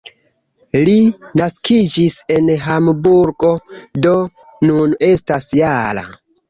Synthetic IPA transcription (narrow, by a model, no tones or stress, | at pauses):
linaskʰid͡ʒise̞nɦambuɾɡo̞do̞ | nune̞stasjala̰